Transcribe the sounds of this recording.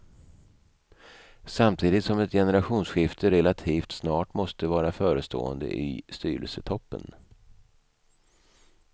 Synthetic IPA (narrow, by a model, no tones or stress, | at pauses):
samt̪ʰiːd̪ɪt̪sɔmɛt̪jɛnəɾaɧuːnsɧɪft̪ʰəɾɛlat̪ʰiːft̪snɑːʈmɔst̪əvɑːɾafœːɾəst̪ʰo̰ːə̰nd̪ə̰ʔɪ̰st̪yːɾə̰lsət̪ʰɔpːə̰n